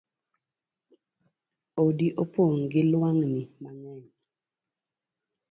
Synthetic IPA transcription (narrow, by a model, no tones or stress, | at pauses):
odiʔopoŋɡɪlwaŋnimaŋɛjɔ